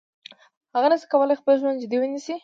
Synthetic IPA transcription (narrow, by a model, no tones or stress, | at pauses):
haɣanəsi̥kawəlajxpəlʒwand̪̚d͡ʒɪd̪iwənnisi